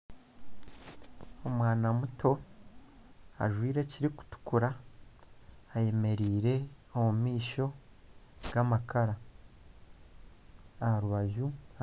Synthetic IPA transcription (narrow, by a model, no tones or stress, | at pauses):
o̞mwaːnamutʰo̞ | a̰ʒwiːɾe̞ciɾiku̥tu̥kuɾa | je̞me̞ɾiːɾe̞ | omumiːʃo̞ | ɡ̥amakʰaɾa | ahaɾuβaʒu